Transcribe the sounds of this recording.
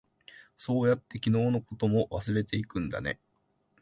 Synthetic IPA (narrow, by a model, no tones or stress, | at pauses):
so̞ːjat̪ːe̞kʲino̞ːno̞ko̞t̪o̞mo̞βasɨɾe̞t̪e̞ikɯ̟̃nd̪a̰ne̞̰